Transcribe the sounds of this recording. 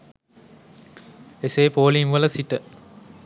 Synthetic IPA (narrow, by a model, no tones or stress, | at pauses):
eseːpoːliŋʋələsiʈə